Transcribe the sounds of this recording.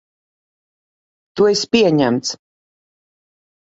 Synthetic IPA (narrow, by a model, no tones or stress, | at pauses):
t̪uɛspʲiɛɲæmt̪s